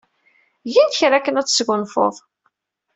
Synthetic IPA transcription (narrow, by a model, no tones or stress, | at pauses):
ʝinçɾækːənæt͡sːsɡʊnfo̰ðˤ